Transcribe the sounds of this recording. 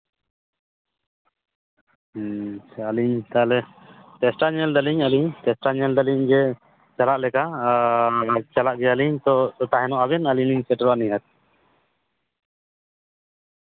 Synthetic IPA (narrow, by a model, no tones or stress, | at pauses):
aliɲt̪alɛ | t̪ɛsʈaɲɛld̪aliɲaliɲt̪ɛsʈaɲɛld̪aliɲd͡ʒɛ | t͡ʃalaʔlɛka | t͡ʃalaʔɡɛaliɲt̪ɔɔt̪aɦɛnɔʔaβɛnaliɲniɲsɛʈɾɔaniɦat̪̚